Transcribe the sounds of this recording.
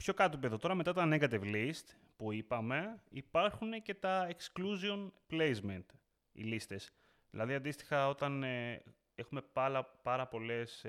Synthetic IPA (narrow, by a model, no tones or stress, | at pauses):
pço̞kɐt̪oipeðo̞t̪o̞ɾɐme̞t̪ɐt̪oːneɡɐt̪̬ivlist̪ | puipɐme̞ipɐɾxune̞ce̞t̪ɐekskluzio̞nple̞jzment̪ | ḭlist̪e̞s | ðilɐðiɐnd̪ist̪i̥xɐo̞t̪ɐn | e̞xume̞pɐlɐpɐɾɐpo̞le̞s